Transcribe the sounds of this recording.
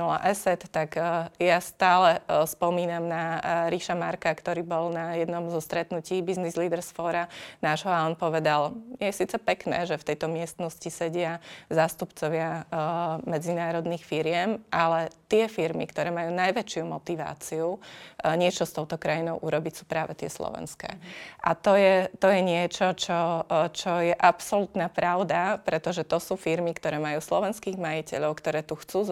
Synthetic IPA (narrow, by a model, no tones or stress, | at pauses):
a̰ʔɛsɛt̪ːakjast̪aːlɛspɔmiːnamnaɾiʃamaɾkakt̪ɔɾiːbɔlnajɛd̪nɔmzɔst̪ɾɛt̪nuciːbiznizliːd̪ɛɾsfɔːɾanaːʒɦɔalɛnpɔʋɛd̪aljɛsiːt͡sɛpɛknɛ̰ːʒɛft̪ɛjt̪ɔmɪɛst̪nɔscisɛɟɪazaːst̪upt͡sɔʋɪa | mɛd͡zinaːɾɔd̪nixfiɾɪɛmʔalɛt̪ɪɛfiɾmḭkt̪ɔɾɛːmajuːnajʋɛt͡ʃɪumɔt̪iʋa̰ːt͡siuɲɪɛt͡ʃɔst̪ɔʊt̪ɔkɾajinɔʊʔuɾɔbicsu̥ːpɾaːʋɛt̪ɪɛ̰slɔ̰ʋɛ̰nskɛ̰ːʔa̰t̪ɔjɛt̪ɔjɛɲɪɛt͡ʃɔt͡ʃɔt͡ʃɔjɛʔapsɔlut̪naːpɾaʊd̪apɾɛt̪ɔʒɛt̪ɔsuːfiɾmikt̪ɔɾɛːmajuːslɔ̰ʋɛnskiːɣmajicɛ̰ʎɔʊkt̪ɔɾɛːt̪uxt͡suː